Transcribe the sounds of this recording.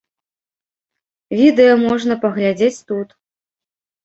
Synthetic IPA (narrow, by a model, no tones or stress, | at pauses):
vʲid̪ɛjɐmɔʐnɐpɐɣlʲad͡zʲet͡sʲt̪ut̪